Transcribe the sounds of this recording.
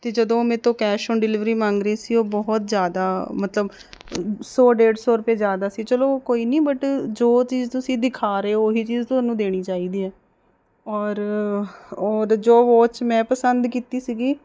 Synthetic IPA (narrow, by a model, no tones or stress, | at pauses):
t̪eːd͡ʒəd̪õːmẽːt̪õːkɛːʃõːnɖɪlɪʋɾiːmãːŋɡɾiːsiːoːbɔːɦt̪zjaːd̪aːmət̪ləb | sɔːɖeːɖsoːɾʊpeːzjaːd̪aːsiːt͡ʃəloːkoːiːnĩːbəʈd͡ʒoːt͡ʃiːzt̪ʊsĩːd̪ɪkʰaːɾeeːoːɦiːt͡ʃiːzt̪ʊaːnũːd̪eːɽ̃iːt͡ʃaːiːd̪iːɛː | ɔːɾ | ɔːɾd͡ʒoːʋoːt͡ʃmɛ̃ːpəsənd̪kiːt̪iːsiːɡiː